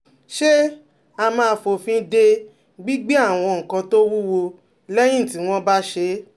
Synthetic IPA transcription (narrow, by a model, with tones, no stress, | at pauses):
ʃe˦ | a˧mãː˦˧˦fo˨fĩ˧˦de˧ | ɡ͡bi˦ɡ͡bi˦a˦˨w̃ɔ̃˧ŋ̩˨kã˧to˦wu˦wo˧ | lɛ˦j̃ĩ˦˨ti˨˦w̃ɔ̃˦ba˦ʃe˧˦